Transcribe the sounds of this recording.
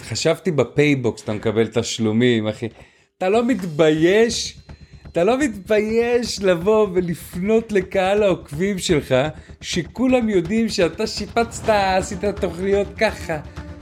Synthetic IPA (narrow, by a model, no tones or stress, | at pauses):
χaʃavt̪ibapejboksat̪amekabe̞lt̪aʃlumimaχe | at̪alo̞mit̪baje̞ʃat̪alo̞mit̪bajeʃlavo̞velifno̞t̪le̞kaalaokvimʃelχaʃekulamjo̞d̪imʃeat̪aʃipat͡st̪aːsit̪at̪o̞χnijo̞t̪kaχa